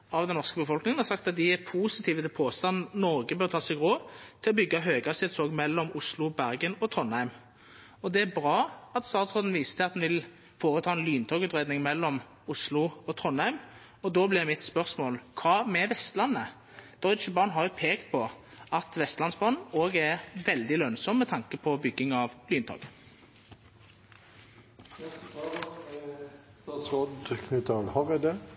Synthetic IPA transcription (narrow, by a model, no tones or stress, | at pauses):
ɑʋd̪ɛnɔʁskəbəfɔlknɪŋənhɑʁsɑkt̪ɑt̪̚d̪ɪæpʰuːsɪt̪ʰiːʋət̪ʰɪlpʰoːst̪ɑnnnɔʁɡəbøːɾt̪ʰɑːsɛɪɡʁoːt̪ʰɪlɔbʏɡːɑɦøːɡɑsɪd̪soːɡmɛlːɔmʊslʊbæʁɡənɔt̪ʰʁɔnhæɪm | ɔd̪ɛæbɾɑːɑt̪st̪ɑːt̪sʁoːd̪n̩ʋiːsə̥t̪ʰɛt̪d̪nʋɪl | foːʁət̪ʰɑːɛnlyːnt̪ʰɔːɡʉːt̪ʁeːd̪nɪŋmɛlːɔm | ʊslʊɔt̪ʰʁɔnhæɪm | ɔd̪oːblɪʁmɪt̪spœʁsmoːlkʰɑːmɛʋɛst̪lɑnːə | d̪̥ɔʏt͡ʃəbɑːnɦɑʁjʊpʰeːkt̪̚pʰɔ | ɑt̪ʋɛst̪lɑnsbɑnoːɡæʁʋɛld̪ɪlœnsɔmːɛt̪ʰɑŋkəpʰɔbʏɡːɪŋɑʋlyːnt̪ʰɔ̰ːɡ | t̪ɑːt̪sʁoːd̪kʰnɪt̪ʰɑlhɑʁəd̪ɛ